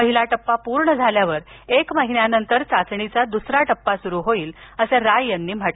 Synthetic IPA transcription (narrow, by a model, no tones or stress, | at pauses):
məɦilaʈəpːapuɾɳəd͡zʱaljaʋəɾekmaɦinjanənt̪əɾt͡sat͡sɳit͡sad̪usɾaʈəpːasuɾuːɦoiːləseɾajənːiːm̤aʈ